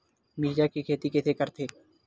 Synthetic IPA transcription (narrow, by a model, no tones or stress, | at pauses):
mɪd͡ʒakikʰeːt̪ikɪsʰekəɾt̪ʰeː